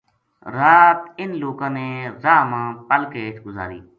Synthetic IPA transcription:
ɾaːt̪ɪnloːkãːneːzaːmãːpəlkeːʈ̪ʰɡʊza̰ːɾḭː

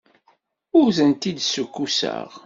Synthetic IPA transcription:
ʊɾzənt̪id̪sukːusə̰ʁ

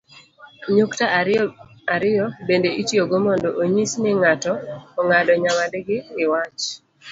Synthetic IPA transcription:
ɲokta | aɾɪjɔbendeʔitjoɡomɔndɔʔoɲisnɛŋatɔːŋadɔɲamadeɡɪːwat͡ʃ

